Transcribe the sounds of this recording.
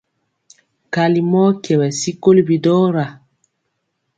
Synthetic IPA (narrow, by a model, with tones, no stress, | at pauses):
ka˨li˨mɔ˦kɛ˨wɛ˨si˦ko˦li˦bi˨dɔ˦ɾa˨